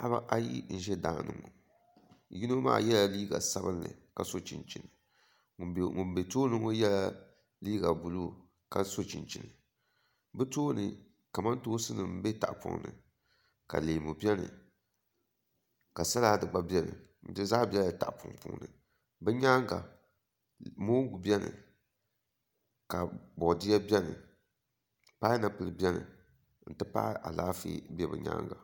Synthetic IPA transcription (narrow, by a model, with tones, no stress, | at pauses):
a˦ba˦ʔa˦jḭ˦n̩˦ʒɛ˦da̰ː˨nɨ˨ŋo˨ | ji˦no˦ma̰ː˦jɛ˦la˨liː˦ɡa̰˨sa˦bɨ˦nlɨ̰˨ka˨so˦t͡ʃi˨nt͡ʃi˨nɨ˨ | ŋu˨mbe˨toː˦nɨ˦ŋo˦jɛ˦la˦ | liː˦ɡa˨bu˨lu˦ | ka˨so˦t͡ʃi˨nt͡ʃi˨nɨ˨ | bɨ˦toː˦nɨ˨ | ka˨ma˦n˦toː˦sɨ˦nɨ˨m̩˦be˦ta˨ʔpʊ̰˨ŋnɨ̰˨ | ka̰˨leː˨mu˨bi˦ɛ˦nɨ̰˨ | ka˨sa˦la˦dɨ˨ɡ͡ba˦bjɛ˦nɨ̰˨ | n̩˨˦tɨ˦za˦bɛ˦la˨ta˨ʔpʊ˨ŋpṵ˨˦ŋ˦nɨ˨ | bɛ˦ɲa˦ŋɡa̰˨ | moː˦ɡu˨bi˦ɛ˦nɨ̰˨ | ka˨bɔ˨dɪ˦a˦bɛ˦nɨ̰˨ | pa˦na˨pɨ˨lɨ˨bʲɛ˦nɨ̰˨ | n̩˦˨tɨ˦pa̰ː˦ʔa̰˨laː˦fḭ˦bɛ˦˨bɨ˨ɲa̰ː˦ŋɡa˨